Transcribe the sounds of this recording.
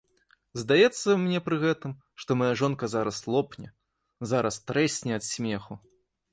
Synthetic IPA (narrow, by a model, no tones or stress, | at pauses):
zd̪ajɛt̪sːɐmnʲɛpɾɨɣɛt̪ɨm | ʂt̪ɔmajaʐɔnkɐzaɾɐslˠɔpnʲɛ | zaɾɐst̪ɾɛsʲnʲɛɐt̪sʲmʲɛxu